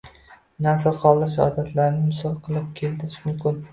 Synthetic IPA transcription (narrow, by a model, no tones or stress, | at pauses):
nasɪlˠqʰɒlˠɪʃ̬ɒ̰d̪at̪ʰlaɾnɪmʊsɒlˠqʰɨlˠɪp̚kʲʰe̞lt̪ɪɾɪʃmʊmkʲʰɪn